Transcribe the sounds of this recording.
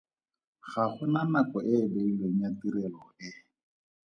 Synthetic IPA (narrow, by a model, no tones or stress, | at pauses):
χaχʊnanakɔʔɪbeilweŋ̩jatiɾɛlɔɪ